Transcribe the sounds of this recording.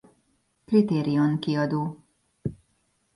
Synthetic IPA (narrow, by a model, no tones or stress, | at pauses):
krit̪eːɾijonkiɒd̪oː